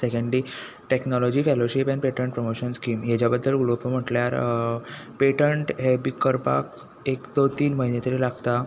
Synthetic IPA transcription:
sekəɳɖɖi | ʈeknɔlɔd͡ʑiːfeloɕipɛ̃npeʈəɳʈ̚pɾəmoɕənskiːmɦet͡ɕjabəd̪ʱːəlɡulopəm̤əʈljaɾ | peʈəɳʈɦebikəɾpa̰k | ekd̪ot̪iːnməɦinet̪əɾilaɡt̪a

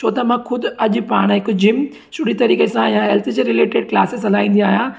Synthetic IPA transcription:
t͡ɕʰoːt̪ɐmãkʰʊd̪ʊɐʄʊpaːɽ̃ɦɪkʊd͡ʑɪm | sʊɽit̪ɐɾiːkesãjãɦɛːlt̪ʰd͡ʑeɾɪleːʈeːɖklaːsesɐl̤aːĩːnd̪iaːɦijãː

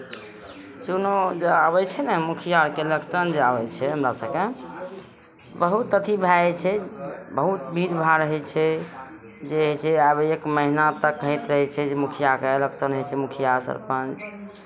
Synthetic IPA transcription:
t͡ʃunod͡ʒeabɛt͡ʃʰɛnɛmukʰijaɾkeləksənd͡ʒeabɛt͡ʃʰɛɦəmɾasəbke | bəɦut̪ət̪ʰibʱajt͡ʃʰɛbəɦut̪̚bʱid̪bʱaɾəɦɛt͡ʃʰɛ | d͡ʒet͡ʃʰɛabekməɦinat̪əkːɦit̪ɾəɦɛt͡ʃʰɛd͡ʒemukʰijakeləksənəɦɛt͡ʃʰɛmukʰijaɾsə̰ɾpə̃nt͡ʃ

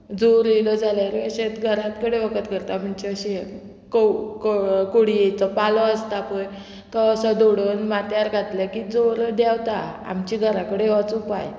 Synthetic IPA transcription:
d͡zoɾilɔd͡zalaɾəɕet̪ɡʱəɾat̪kəɽeʋəkət̪kəɾt̪am̤əɳt͡ɕeəɕe | kokokoɽijet͡sɔpalɔəst̪apəj | t̪ɔəsɔd̪oɽənmat̪jaɾɡʱat̪ləkid͡zoɾd̪awt̪aa̰mt͡ɕiɡʱəɾakəɽeʋat͡supaj

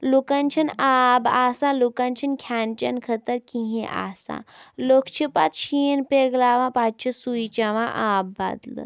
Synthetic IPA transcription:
lukɐnt͡ʃʰinaːbaːsalukɐnt͡ʃʰinkʲʰjaːnt͡ʃɐnkʰət̪əɾkĩɦĩʔa̰ːsa̰lokʰt͡ʃʰipat̪ʃʰiːnpeɡlaːʋãːpaːt͡ʃʰisuit͡ʃɐʋã̰ʔaːbːa̰ːd̪lɨ̰

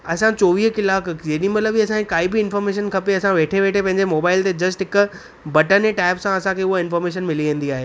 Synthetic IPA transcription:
ɐsãt͡ɕoːʋiːɦkɪlaːkd͡ʑeɗĩmɐt̪ləbiɐsãkekaːɦibɪɪnfɔːɾmeːʃ̬ənkʰɐpeɐsãʋeːʈʰeʋeːʈʰepɐ̃ɦɪ̃ɲd͡ʑemoːbaːɪlt̪ed͡ʑɐsʈɦɪkʊ̆ | bɐʈəneʈaːɪpsãɐsãkʰeʊɦoɪ̃nfɔːɾmeːʃ̬ənmɪliʋẽːnd̪iaːɦeː

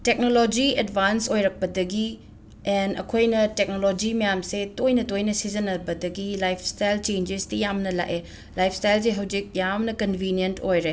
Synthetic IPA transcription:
tek̚nolod͡ʒiedbʱansojɾɐk̚pɐdɐɡi | ɛnɐ̰kʰojnɐtek̚nolod͡ʒimɐjamsetojnɐtojnɐsizɐnɐbɐdɐɡilajpʰstajlt͡ʃend͡ʒistijamnɐla̰ʔe | lajpʰstajls̬eɦɐwd͡ʒik̚jamnɐkɐnbʱinjentʰojɾe

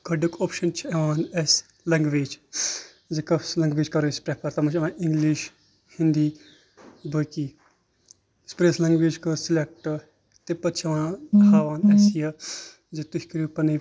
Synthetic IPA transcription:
kɐɖukoːpʃɐnt͡ʃʰieʋaːnes | lɐŋɡʋeːd͡ʒ | zikɐslɐŋɡʋeːd͡ʒkɐɾuspɾepʰɐɾt̪ɐmɐt͡ʃɐʋãːʔiŋɡliʃ | hind̪iː | bəkiː | spɾeslɐŋɡʋeːd͡ʒkɨsilek̚ʈɐ | t̪epɐt͡ʃʰɐʋãːhaːʋaːnesjɐ | zet̪uhʲikɾupɐnɐ

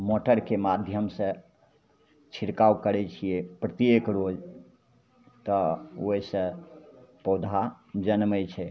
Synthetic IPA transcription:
moʈəɾkemad̪ʱjəmsə̃ | t͡ʃʰiɾkawkəɾɛt͡ʃʰijepɾət̪jekɾod͡ʒ | t̪ɔoisə̃ | pɔd̪ʱa | d͡ʒənməjt͡ʃʰɛ

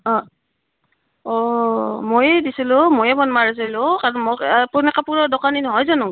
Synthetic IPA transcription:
ɔ | ɔmojdisilʊ̃mojɛbɔnmaɹis̬ilʊkaɹɔnmpunɛkapuɹɔdɔkaninɔɦɔjzanʊ

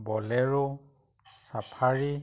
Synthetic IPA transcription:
bɔlɛɹo | sapʰaɹi

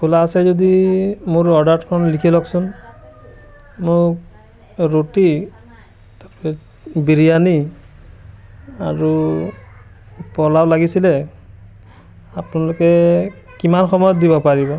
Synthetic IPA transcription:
kʰulasɛzodimʊɹɔɹdaɹtkʰɔnlikʰilɔksʊn | mʊk | ɹoti | tapɛ | biɹijani | aɹu | pɔlawlaɡisilɛ | apnalʊkɛ | kimanxɔmɔjɔt̪̚dibɔpaɹibɔ

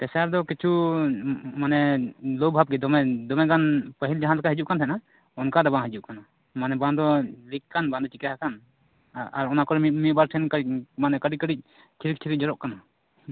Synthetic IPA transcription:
t̪ɛsaɾd̪ɔkit͡ʃʰu | manɛlɔwbʱab̚ɡɛd̪ɔmɛd̪ɔmɛɡanpəɦild͡ʒaɦanlkʰaɦid͡ʒuʔkant̪ʰajna | ɔnkad̪ɔbãɦid͡ʒuʔkana | manɛband̪ɔlikkanbãnd̪ɔt͡ʃikjaɦakan | aɾɔnakɔɾɛimibaɾʈʰɛnkmanɛkəɾikəɾic̚ˀ | t͡ʃʰiɾik̚t͡ʃʰiɾic̚d͡ʒɔɾɔʔkana

